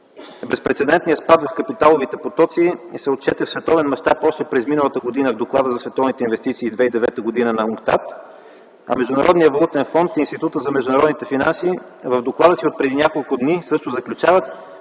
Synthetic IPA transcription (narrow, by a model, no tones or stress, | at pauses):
bɛspɾɛt̪sɛd̪ɛnt̪nijəspad̪vɐfkɐpit̪alˠovit̪ɛpot̪ɔt̪siisɛot̪̚t͡ʃɛt̪ɛfsvɛt̪ɔvɛnmɐʃt̪apɔʃt̪ɛpɾɛzminəlˠət̪əɡod̪inəvd̪oklˠad̪əzɐsvɛt̪ɔvnit̪ɛinvɛst̪it̪siːd̪vɛid̪ɛvɛt̪əɡod̪inənɐuŋkt̪a̰t̪ | ɐ̰mɛʒd̪ʊnɐɾʔɔd̪nijəvɐlˠut̪ɛnfɔnt̪inst̪it̪ut̪əzɐmɛʒd̪ʊnɐɾɔd̪nit̪ɛfina̰nsiː | vəvd̪oklˠad̪əsiot̪̚pɾɛd̪inʲakolˠkʊd̪nisɤʃt̪ʊzɐklʲut͡ʃavət̪